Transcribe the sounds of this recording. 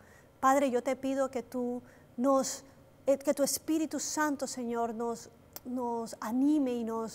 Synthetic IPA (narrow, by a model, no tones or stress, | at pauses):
paðɾe̞ʝo̞t̪e̞pið̞oket̪u | nos | eket̪uespiɾit̪usant̪oseɲo̞ɾnos | nosanĩmeinos